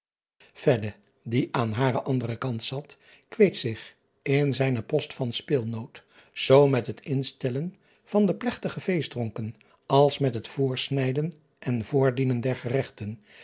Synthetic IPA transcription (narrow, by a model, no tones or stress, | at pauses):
fɛdə | diʔaːnɦaːɾəʔɑndərəkɑntsɑt | kʋejtsɪχ | ɪnzɛjnəpɔstfɑnspɪːlˠnowt | z̥owmɛtɦətɪnstɛlən | v̥ɑndəplɛχtəχəvejzdrɔŋkən | ʔɑlˠsmɛtɦətfʊːɹsnɛjdən | ʔɛnvʊːɹdinəndɛɹχərɛχtən